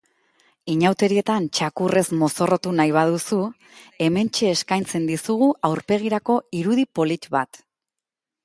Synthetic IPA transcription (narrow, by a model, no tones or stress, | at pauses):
iɲawt̪e̞ɾie̞t̪ant͡ʃakure̞zmo̞so̞ro̞t̪unajβ̞aðusu | e̞me̞nt͡ʃe̞ːskajnt͡se̞nd̪isuɣ̞uʔawɾpe̞ɣ̞iɾako̞iɾuðipo̞lit͡ʃβat̪